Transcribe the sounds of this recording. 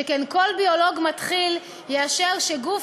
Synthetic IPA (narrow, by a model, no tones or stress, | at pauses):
ekenko̞lbio̞lo̞ɡmat̪χil | jeaʃeʁʃeɡuf